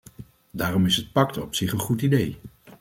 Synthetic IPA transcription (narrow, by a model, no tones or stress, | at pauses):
daːrɔmɪsɦət̚pɑktɔpsɪχənχutidej